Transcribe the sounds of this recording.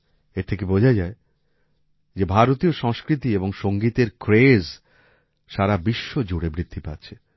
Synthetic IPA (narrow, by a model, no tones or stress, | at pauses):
eɾt̪ʰekebod͡ʑʱad͡ʑae | d͡ʑebʱaɾot̪ioʃɔŋskɾit̪ieboŋʃoŋɡit̪eɾkɾez | ʃaɾabiʃːod͡ʑoɽebɾit̪ʰːipatːt͡ɕʰe